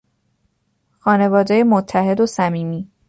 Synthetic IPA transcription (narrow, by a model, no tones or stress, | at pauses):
xɒːne̞vɒːd̪eje̞mot̪ʰːæhe̞d̪osæmiːmiː